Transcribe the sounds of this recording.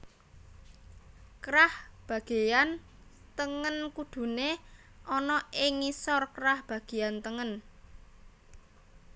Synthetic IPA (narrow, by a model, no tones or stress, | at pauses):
kɾahb̥a̤ɡ̥e̤jan | t̪əŋənkud̪̥ṳne | ʔɔnɔɪŋisɔrkɾahb̥ä̤ɡ̥e̤jant̪əŋən